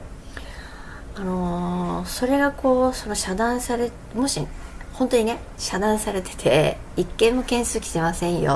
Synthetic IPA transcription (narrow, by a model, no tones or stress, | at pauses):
ano̞so̞ɾe̞ɡakʰo̞ːso̞no̞ɕad̪ãɰ̃saɾe̞ | mo̞ɕihõ̞nt̪o̞ɲ̟ine̞ | ɕad̪ãɰ̃saɾe̞t̪e̥t̪ʰe̞̰ | ikːẽ̞mːo̞kẽɰ̃sɨːkʲi̥t̪e̞masẽ̞ɰ̃jo̰